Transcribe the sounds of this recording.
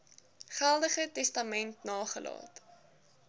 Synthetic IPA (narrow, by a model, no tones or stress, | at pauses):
χælˠdəχətɛstɐmɛntnɑːχəlʔɑ̰ːt